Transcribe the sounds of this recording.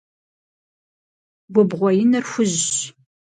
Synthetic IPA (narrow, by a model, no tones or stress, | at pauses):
ɡʷʊbʁʷɔjɪnɨrxʷʊʑ